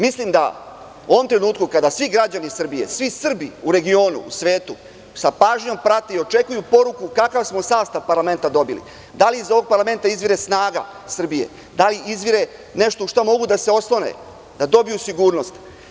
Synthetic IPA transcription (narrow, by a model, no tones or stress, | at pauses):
mislimd̪a̰ | uoʋo̞mt̪ɾe̞nuːt̪kukad̪asʋiɡɾad͡ʑanisr̩bije̞̰sʋisr̩biuɾe̞ɡio̞ːnṵːsʋe̞ːt̪u | sapaːʒɲo̞mpɾat̪eio̞t͡ʃe̞kujupo̞ɾukukakaʋsmo̞saːst̪aʋpaɾlˠame̞nt̪ad̪o̞bilḭ | d̪aliːzo̞ʋo̞ɡ̚paɾlame̞nt̪aizʋiɾe̞snaːɡa̰ | sr̩bije̞̰ | d̪aliizʋiɾe̞ | ne̞ʃt̪ouʃt̪amo̞ɡud̪aseo̞slˠonḛ | d̪ad̪o̞bijusiɡuːɾno̞st̪